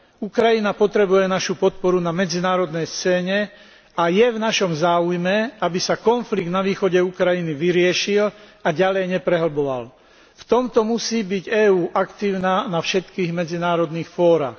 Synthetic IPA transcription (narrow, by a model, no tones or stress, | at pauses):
ukɾajinapɔt̪ɾɛbujɛnaʃupɔt̪̚pɔɾunamɛd͡zinaːɾɔd̪nɛjst͡sɛːɲɛ | ajɛvnaʃɔmzaːujmɛabisakɔnfliɡd̪naʋiːxɔɟɛukɾajiniʋiɾɪɛʃilaɟalɛjɲɛpɾɛɦl̩bɔʋa̰l | ft̪ɔmt̪ɔmusiːbiɟɛːuːʔakt̪iːʊnaːnafʃɛt̪kiːɣmɛd͡zinaːɾɔd̪niːxfɔːɾa̰ːx